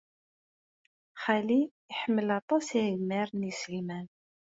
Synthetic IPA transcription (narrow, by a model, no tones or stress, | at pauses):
χaliː | ħəmːəlɑt̪ˤɑsiʝmæɾˤnislmæn